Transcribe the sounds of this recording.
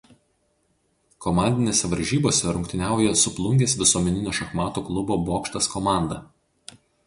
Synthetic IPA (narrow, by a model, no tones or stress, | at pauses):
kɔmɑˑnʲd̪ʲɪnʲeːsʲɛʋɐɾʲʒʲiːboːsʲɛɾʊŋkt̪ʲɪnʲæˑʊjɛsʊplˠʊŋʲɡʲeːsʋʲɪsuɔmʲɛnʲɪnʲoːʃɐxmɑːt̪uːklˠʊboːboːkʃt̪ɐskɔmɑˑnd̪ɐ